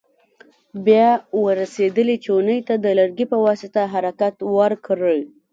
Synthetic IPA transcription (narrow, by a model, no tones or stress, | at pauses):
bjɑwəɾased̪əlit͡ʃeʊnəjt̪ad̪əlaɾɡipəwɑsɪt̪aɦaɾakat̪waɾkɾəl